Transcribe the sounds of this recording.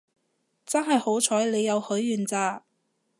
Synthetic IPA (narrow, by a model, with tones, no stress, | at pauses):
t͡sɐ˥nɦɐ˨˩jho˨˥wt͡ʃʰɔː˨˥jle˨˧jːɐ˨˧whɵ˨˥ɥːyː˨˩nt͡saː˧